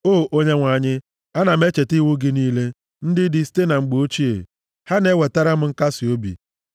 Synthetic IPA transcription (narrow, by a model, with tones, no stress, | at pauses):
oː˦˨ʔo˦ɲe˦ŋʷa˨ɲɪ˦ | a˦na˨m˦e˦t͡ʃe˨ti˦wʊ˦ɡɪ˦niː˦le˦ | n̩˦dɪ˦dɪ˦ste˦na˨ŋ͡m̩˨ɡ͡bo˦t͡ʃi˦ḛ˨ | ha˦ne˦we˨ta˦ɾa˦m̩˦ŋ̩˦ka˦si˨o˦bḭ˨